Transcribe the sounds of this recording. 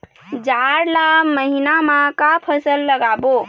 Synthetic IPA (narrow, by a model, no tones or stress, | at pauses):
d͡ʒaɾlaməɦinamãkapʰəsəlːəɡabo